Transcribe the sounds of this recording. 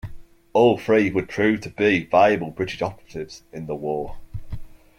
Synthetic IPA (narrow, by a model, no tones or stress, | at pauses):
oʊl̥ˠfɹiɪzwəd̚pʰɹ̥ʉːv̥tʰəbivaɪəbəlˠbɹɪtɪʃɒpəɹətɪvz̥ɪ̃nðəwɔː